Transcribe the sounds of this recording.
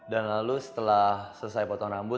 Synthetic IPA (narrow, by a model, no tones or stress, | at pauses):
danlalusə̥t̪əlahsələsajpɔt̪ɔŋrambʊ